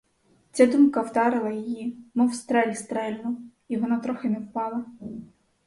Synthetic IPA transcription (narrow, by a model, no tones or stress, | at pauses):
t͡sʲad̪umkɐwd̪ɑɾɪlˠɐjɪjimɪwst̪ɾɛlʲist̪ɾɛlʲnʊ | iʋɔnɑt̪ɾɔxenɛwpɑlˠɐ